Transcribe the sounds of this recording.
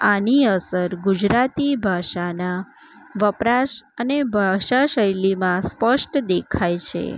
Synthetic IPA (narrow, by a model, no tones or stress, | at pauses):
aniəsəɾɡud͡ʒɾat̪ibʱaʃana | ʋəpɾaʃənebʱaʃaʃəjlimãspəʃʈd̪ekʰajt͡ʃʰḛ